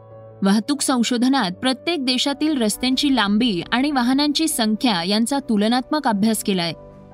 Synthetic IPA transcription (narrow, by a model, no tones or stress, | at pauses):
ʋaɦt̪uːksə̃w̃ɕod̪ʱənat̪̚pɾət̪jek̚d̪eɕat̪iːlɾəst̪jaɲt͡ɕiːlambiːaɽ̃iʋaɦənaɲt͡ɕiːsəŋkʰjajant͡sat̪ulənat̪məkabʱjaskelaj